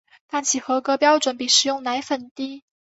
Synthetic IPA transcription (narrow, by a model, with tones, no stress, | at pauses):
t̪a˥˩nt͡ɕʰi˨˩xɤ˧˥kɤ˧˥pjɑ˥ʊʈ͡ʂwə˨˩˦npi˨˩ʂɻ̩˨˩jʊ˥˩ŋna˧˥ɪfə˨˩nt̪i˥˩